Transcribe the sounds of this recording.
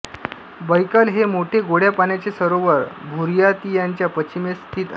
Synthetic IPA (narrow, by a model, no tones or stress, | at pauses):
bəjkalɦemoʈʰeɡoɽjapanjat͡sesəɾoʋəɾbʱuɾjat̪ijaɲt͡ɕjapət͡ɕimest̪ʰiːt̪ə